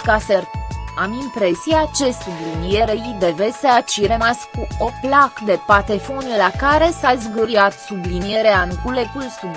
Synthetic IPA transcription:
kaseramimpɾe̞siat͡ʃe̞sublinijeɾeid̪eveseat͡ʃiɾemaskuoplakd̪e̞pat̪e̞fonlakaɾe̞sazɡuɾiat̪sublinijeɾeankulekulsu

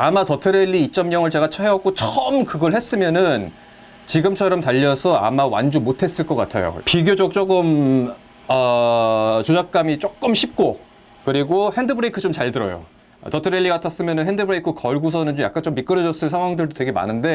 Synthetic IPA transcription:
amatʌtʰɯɾe̞ʎːiːt͡ɕ͈ʌmɲʌŋɯɭt͡ɕe̞ɡat͡ɕʰʌɦeʌk͈ot͡ɕʰʌmkɯɡʌɭhe̞s͈ɯmjʌnɯn | t͡ɕiɡɯmt͡ɕʰʌɾʌmtaʎːʌsʰʌa̰mawa̰nd͡ʑumotʰe̞s͈ɯɭk͈ʌk͈atʰajo̰piɡjod͡ʑok̚t͡ɕ͈oɡɯm | ʌ | t͡ɕod͡ʑak̚k͈amit͡ɕ͈ok͈ɯmɕʰip̚k͈o | kɯɾiɡohendɯbɯɾeikʰɯt͡ɕomt͡ɕaɭdɯɾʌ̰jo̰ | tʌtʰɯɾeʎːiɡatʰas͈ɯmjʌnɯnɦendɯbɯɾeikʰɯkʌɭɡus̬ʰʌnɯnt͡ɕomja̰k͈ant͡ɕomːik͈ɯɾʌd͡ʑʌs͈ɯɭsʰaŋwaŋdɯɭdotweɡe̞ma̰nɯnde̞

